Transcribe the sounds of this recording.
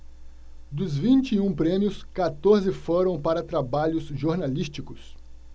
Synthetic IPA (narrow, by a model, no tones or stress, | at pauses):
d̪ʊzvĩnt͡ʃiũpɾẽmjʊskat̪oɾzɪfoɾɐ̃w̃paɾɐt̪ɾabaʎʊsʒoɾnalist͡ʃikʊs